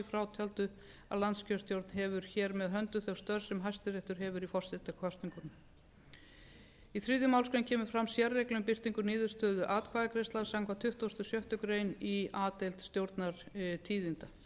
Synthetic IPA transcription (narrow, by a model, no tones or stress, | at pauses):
ɪfɾawt̪ʰɛlt̪ʏ | a̰ðlant̪scœst̪jowɾt̪nɦɛvʏɾ̥çɛːɾmɛðɦœnt̪ʏθɛwst̪œɾ̥sɛmɦajst̪ɪrɪht̪ʏɾ̥ɦɛvʏɾifɔr̥sɪt̪akʰvast̪niŋkʏnʏm | iθɾiːðjʏmawlskɾɛjncʰɛːmʏ̥fɾamsjɛrːejklʏmpɪr̥t̪iŋkʏniːðʏ̥st̪œːðʏʔaːt̪kʰvaːðakɾest̪laðsamkʰvat̪ʰʏht̪uost̪ʏsjœht̪ʏkɾeːjniaːt̪ejlt̪st̪jowɾt̪naɾ̥t̪ʰiːðint̪a